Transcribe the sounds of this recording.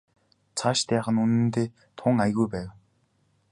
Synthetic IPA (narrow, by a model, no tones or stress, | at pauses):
t͡sʰaʃt̪æːχə̆nunɘ̆nt̪eː | t̪ʰʊːŋajɣujpæːw